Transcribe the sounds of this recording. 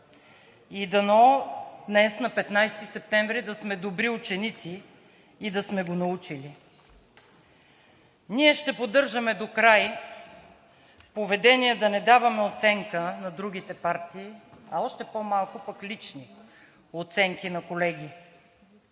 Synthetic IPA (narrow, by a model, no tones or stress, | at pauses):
id̪ɐnɔd̪nɛsnɐpɛt̪najst̪isɛp̚t̪ɛɱvɾid̪ɐsmɛd̪obɾiut͡ʃɛnit̪siː | d̪ɐsmɛɡonɐut͡ʃili | niɛʃt̪ɛpod̪ɤɾʒəmɛd̪okɾaj | povɛd̪ɛniɛd̪ɐnɛd̪avɐmɛot̪sɛŋkənɐd̪ɾuɡ̟it̪ɛpaɾt̪iːɐɔʃt̪ɛpomalˠkʊpɐklit͡ʃni | ot̪sɛŋkinɐkolɛɡʲi